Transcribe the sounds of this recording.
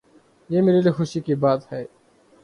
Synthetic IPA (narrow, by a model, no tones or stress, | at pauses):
jeːmeːɾeliːxʊʃikibaːt̪hɛː